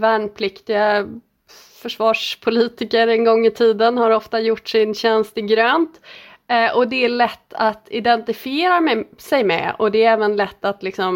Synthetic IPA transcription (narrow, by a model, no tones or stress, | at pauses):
væːɳpʰlɪkt̪ɪɡa | fœʂvɑːʂpʰʊliːt̪ɪkəɾɛnɡɔŋːɪt̪ʰiːd̪ənhaɾɔft̪ajʊʈːʂɪnɕɛnst̪ɪɡɾøːnt̪ | ʔɔd̪ɛæɭɛt̪ːat̪ɪd̪ɛnt̪ɪfɪeːɾamɛsɛjmɛ̰ɔ̰d̪ɛːɾɛːvənlɛt̪ːat̪lɪksɔm